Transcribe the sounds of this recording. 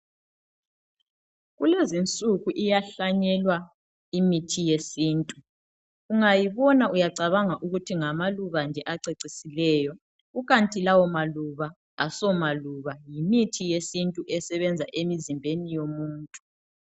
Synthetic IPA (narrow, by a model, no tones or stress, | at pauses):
ɣulezint͡sʼuɣuʔijaɬaɲɛlwa | imitʰijesiːntʼu | uŋajiβɔnaujaǀaβaŋaʔuɣutʰiŋamaluβand͡ʒʱɛʔaǀeǀisilɛːjɔ | ɣuɣantʼilawɔmaluβaː | sɔmaluβajimitʰijesintʼuʔɛsɛβɛnd͡zʱaʔemizimbʱenijomuːntʼu